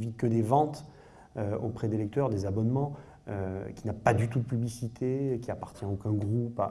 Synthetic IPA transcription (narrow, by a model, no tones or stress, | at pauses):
vikəd̪evɑ̃t̪ | øo̰pχɛd̪elɛk̚t̪œʁd̪ezabɔnmɑ̃ | økʲinapad̪yt̪ud̪əpyblisit̪ʰekʲiapaʁt̪jɛ̃okʲɛ̃ɡʁupa̰